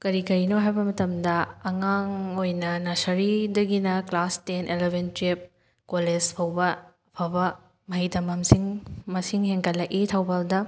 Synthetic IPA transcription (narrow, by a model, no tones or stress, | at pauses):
kɐɾikɐɾinoɦajbɐmɐtɐmdɐɐŋaŋojnɐnɐsɐɾidɐɡinɐklastenʔelebʱentɾip̚ | kolespʰɐwbɐɐpʰawbɐ | mɐɦitɐmɐmsiŋmɐsiŋheŋkʰɐtlːɐʔitʰawbaldɐ